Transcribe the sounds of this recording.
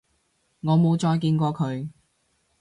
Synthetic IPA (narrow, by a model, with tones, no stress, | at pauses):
ŋɔː˨˧mo˨˧wt͡ʃɔː˧jk̬iː˧nkʷɔː˧kʰɵ˨˧ɥ